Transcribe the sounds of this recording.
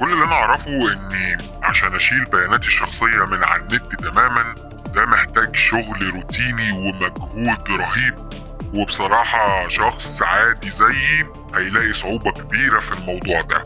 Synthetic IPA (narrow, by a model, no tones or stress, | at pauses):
kolːlːʔænæʔɑʕɾˤɑfoʔenː | ʕa̰ʃæːnʔæʃiːlbæjæːnæːt̪eʃːɑxsˤejːɑmɪnʕa̰nːet̪ːit̪æmæːmæn | d̪æmeħt̪æːɡʃoɣlɾuːt̪iːniwemæɡhuːd̪ɾˤɑɦiːb̚ | webesˤɑɾˤɑːħɑʃɑxsˤʕaːd̪izæjː | hæjlæːʔisˤoʕuːbɑkæbiːɾæfilmɑwd̪ˤuːʕd̪æ̰